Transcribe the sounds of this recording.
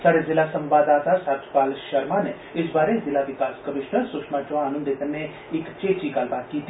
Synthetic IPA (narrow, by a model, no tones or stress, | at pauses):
saːɽezɪlasɐ̃mʋaːd̪aːt̪asaːt̪ʰpaːlʃɐɾmane | ɪsbaːɾezɪlaʋɪkaːskɐmɪʃnəɾsʊkʃmat͡ʃoaənə̃nd̪et̪ənːe | ɪkt͡ʃeːt͡ʃikaːlbaːt̪̚kiːt̪ʰ